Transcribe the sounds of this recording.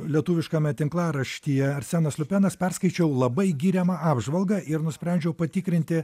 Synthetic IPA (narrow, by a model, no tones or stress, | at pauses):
lʲiɛt̪uːʋʲɪʃkɐmʲɛt̪ʲɪŋklˠɑːɾɐʃʲt̪ʲiːjɛɐɾʲsʲæːnɐslʲʊpʲɛːnɐspʲɛrskɐɪt͡ʃʲɛʊlˠɐbɐɪɡʲiːɾʲɛmɑɑːbʒʋɐlˠɡɐʔɪɾnʊsʲpʲɾʲɛnʲd͡ʒʲɛʊpɐt̪ʲɪkɾʲɪnʲt̪ʲɪ